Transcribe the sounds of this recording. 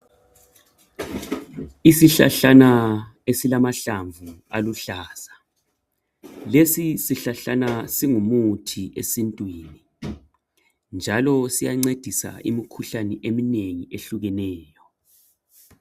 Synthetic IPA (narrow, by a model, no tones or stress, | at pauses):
isiɬa̰ɬanaesilamaɬaɱvualuɬaːsḁ | lesisiɬaɬanasiŋumutʰiʔesintʼwiːni | nd͡ʒʱalɔsijaŋ͡ǀed̥ʱisa̰ʔḭmikʰuɬaniʔemineŋieɬuɣɛnɛːjɔ